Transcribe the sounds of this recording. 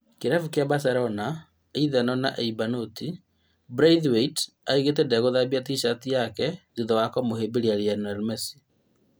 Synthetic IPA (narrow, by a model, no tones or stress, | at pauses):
keɾafukjabasaɾɔna | eiðɛnɔna̰ʔeibanoti | bɾaiðweit | aiɣet̬ɛdɛɣoðabiatiʃatijakɛziðɔwakɔmoɦebiɾiaɾianaɾmɛsi̥